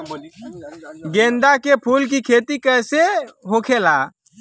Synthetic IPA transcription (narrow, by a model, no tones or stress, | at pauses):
ɡẽːnd̪akepʰuːlk̬ikʰeːt̪ikəjseɦoːkʰeːlaː